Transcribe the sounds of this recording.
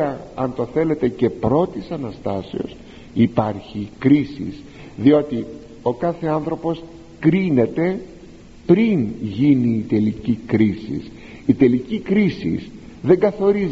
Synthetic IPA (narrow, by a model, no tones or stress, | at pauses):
ɐɐnt̪o̞θe̞le̞t̪e̞ce̞pɾo̞t̪isɐnɐst̪ɐsḛo̞̰s | ipɐɾçikɾisḭs | ðio̞t̪i | o̞kɐθe̞ɐnθɾo̞po̞s | kɾine̞t̪e̞ | pɾinʝiniːt̪e̞licikɾisḭs | it̪e̞licikɾisḭs | ðe̞ŋɡɐθo̞ɾiz